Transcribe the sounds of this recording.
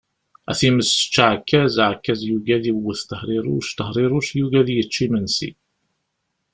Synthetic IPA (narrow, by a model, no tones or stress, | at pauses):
æ̰θiməsə̥t͡ʃːaʕkːæzʕkːæzjuɡæðiwəθt̪əhɾˤiɾˤʊ̰ʃt̪əhɾˤiɾuʃjuɡæðjət͡ʃːimənsḭ